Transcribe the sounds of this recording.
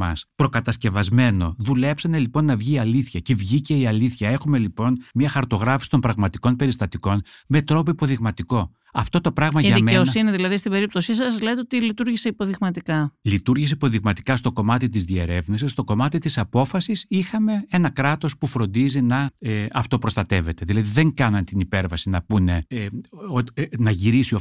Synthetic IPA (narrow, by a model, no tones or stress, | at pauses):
mɐ̰spɾo̞kɐt̪ɐsce̞vɐzme̞no̞̰ðule̞psɐne̞lipo̞nːɐvʝiːɐliθçɐcevʝice̞iɐliθçɐe̞xume̞lipo̞nmɲɐxɐɾt̪o̞ɣɾɐfi̥si̥t̪o̞mpɾɐɣmɐt̪iko̞npe̞ɾist̪ɐt̪iko̞nme̞t̪ɾo̞poipo̞ðiɣmɐt̪iko̞ | ɐft̪o̞t̪o̞pɾɐɣmɐʝɐimeosiniðilɐðist̪ibe̞ɾip̚t̪o̞sisɐzlet̪eot̪ilit̪uɾʝiseipo̞ðiɣmɐt̪ikɐlit̪uɾʝis̬eipo̞ðiɣmɐt̪i̥kɐst̪o̞ko̞mɐt̪it̪̬izðie̞ɾe̞vnisisːt̪o̞ko̞mɐt̪it̪isɐpo̞fɐsisixɐme̞e̞nɐkɾɐt̪ospufɾo̞nd̪izinɐeɐft̪o̞pɾo̞st̪ɐt̪e̞ve̞t̪e̞ðilɐðiðe̞ŋkɐnɐnt̪inipe̞ɾvɐsinɐpune̞ | onɐʝiɾisio